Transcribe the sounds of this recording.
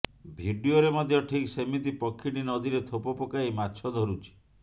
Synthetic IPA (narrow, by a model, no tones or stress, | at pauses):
bʱiɖioɾemɔd̪ʱjɔʈʰiksemit̪ipɔkʰːiɽinɔd̪iɾet̪ʰopɔpɔkaɦimat͡ʃʰɔd̪ʱɔɾut͡ʃʰi̥